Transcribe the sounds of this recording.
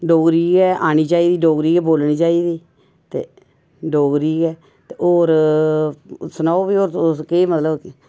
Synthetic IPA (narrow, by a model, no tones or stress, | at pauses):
ɖoːɡɾiːɡɛːʔaːñiːt͡ʃaːiːd̪iːɖoːɡɾiːɡɛːboːlniːt͡ʃaːiːd̪iː | t̪ḛː | ɖoːɡɾiːɡɛː | t̪eːʔoːɾ | sənaːoːbiːoːɾkeːmət̪ləb